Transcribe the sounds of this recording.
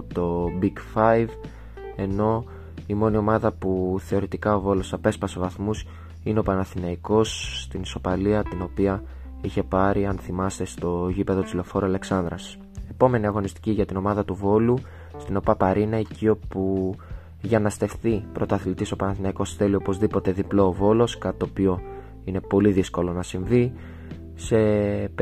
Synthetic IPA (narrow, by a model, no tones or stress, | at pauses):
t̪o̞biɡfɐjv | e̞no̞ | imo̞nio̞mɐðɐpuθe̞o̞ɾit̪ikɐo̞vo̞lo̞sɐpe̞spɐsevɐθmus | ineo̞pɐnɐθinɐiko̞st̪iniso̞pɐliɐt̪ino̞piɐ | içe̞pɐɾiɐnθimɐst̪e̞st̪o̞ʝipe̞ðot͡silo̞fo̞ɾuɐle̞ksɐnd̪ɾɐs | e̞po̞me̞niɐɣo̞nist̪i̥ciʝɐt̪ino̞mɐðɐt̪uvo̞lu | st̪ino̞pɐpɐɾinɐeciopu | ʝɐnɐst̪e̞fθipɾo̞t̪oɐθlit̪iso̞pɐnɐθinɐiko̞sθe̞lio̞po̞zðipo̞t̪e̞ðiplo̞ːvo̞lo̞skɐt̪i̥t̪opio̞ | ine̞po̞liðisko̞lo̞nɐsiɱvi | se̞